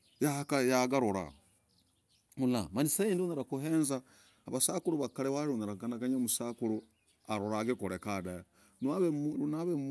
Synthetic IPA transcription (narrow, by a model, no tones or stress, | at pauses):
jakajaɡaɾuɾa̰ | ulamanisaiːndoneɾakuɦeːnzaː | βasakuɾuβakaɾeβaɾɾuneɾakanakaɲamusakuɾu | aɾoɾaɡikoɾekadaja | naβeunaβe